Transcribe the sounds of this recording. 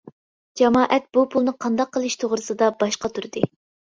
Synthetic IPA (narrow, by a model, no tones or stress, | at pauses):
d͡ʒɛmɑːʔɛt̪̚b̥upʰulˠnɨqʰɑnd̪ɑqːəlˠɨʃt̪ʰoʁɾɨsɨd̪ɑbɑʃqɑt̪ʰuɾd̪ɨ